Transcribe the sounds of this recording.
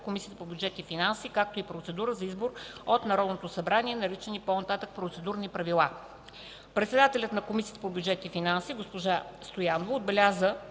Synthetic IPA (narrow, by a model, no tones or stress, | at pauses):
komisʲiət̪əpobjud͡ʒɛt̪ifinansikak̚t̪oipɾot̪sɛd̪uɾəzɐizboɾot̪nɐɾɔd̪not̪osɐbɾaniɛnɐɾit͡ʃɛniponɐt̪at̪ək̚pɾot̪sɛd̪uɾnipɾɐvilˠa | pɾɛt̪sɛd̪at̪ɛlʲət̪nɐkomisiət̪əpobjud͡ʒɛt̪ifinansiɡospoʒast̪ojanovoːd̪bɛlʲazə